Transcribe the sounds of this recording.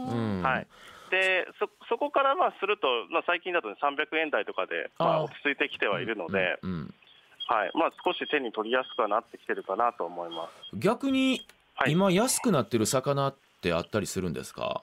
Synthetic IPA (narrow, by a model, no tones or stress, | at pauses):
ɯ̟̃ːhaid̪̥e̞soso̞ko̞kaɾamaːsɨɾɯ̟t̪o̞maːsaikʲĩnd̪at̪o̞nesãmbʲjakɯ̟ẽ̞nd̪ait̪o̞kad̪e̞̰maaotʲi̥t͡sɨit̪e̞kʲi̥t̪e̞β̞aiɾɯ̟no̞d̪e̞̰ɯ̟̃ | haḭmasɨ̥ko̞ɕit̪ẽ̞ɲ̟ːit̪o̞ɾʲijasɨ̥kɯ̟βanat̪ːe̞kʲi̥t̪e̞ɾɯ̟kanat̪o̞ːmo̞imasɨ̥ɡʲakɯ̟ɲ̟i | haimajasɨ̥kɯ̟nat̪ːe̞ɾɯ̟sakanat̪ːe̞a̰t̪ːaɾʲisɨɾɯ̟̃nd̪e̞̰sɨ̥ka̰